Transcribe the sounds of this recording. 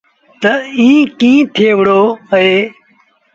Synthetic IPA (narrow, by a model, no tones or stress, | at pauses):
t̪əĩːkĩːt̪ʰeːʋɽoːɦeː